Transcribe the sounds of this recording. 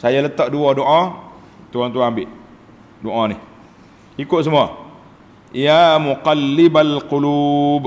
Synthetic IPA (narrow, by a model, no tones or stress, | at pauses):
sajalət̪ɔʔduɔdoʔa | t̪uaŋt̪uaambɪʔ | doʔanɪh | ikʊʔ̪səmua | jamuqalːɪbalqulub